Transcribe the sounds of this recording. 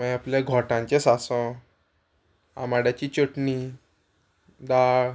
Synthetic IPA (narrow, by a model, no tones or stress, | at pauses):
mɛ̃apljaɡʱɔʈãɲt͡ɕesasɔ̃ | a̰maɽjat͡ɕiːt͡ɕəʈni | d̪aɭ